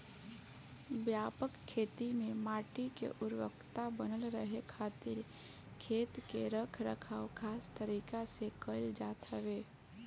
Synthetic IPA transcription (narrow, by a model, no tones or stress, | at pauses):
bjaːpəkʰːeːt̪imẽmaːʈikḛʔʊɾwə̰kt̪abənəlɾəɦekʰaːt̪ɪɾ | kʰeːt̪keɾəkʰɾəkʰaːwkʰaːst̪əɾiːkasekəld͡ʒaːt̪ɾəʋeː